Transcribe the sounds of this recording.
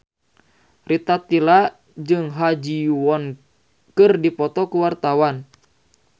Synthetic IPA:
rit̪at̪ila | d͡ʒɨŋɦad͡ʒiwɔn | kɨrdipɔt̪ɔkuwart̪awan

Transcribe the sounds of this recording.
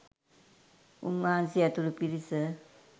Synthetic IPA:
ṵŋansiat̪uɾupiɾisə

